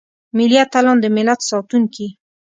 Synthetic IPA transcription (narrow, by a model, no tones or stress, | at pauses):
mɪliat̪alɑnd̪əmɪlat̪sɑt̪uŋki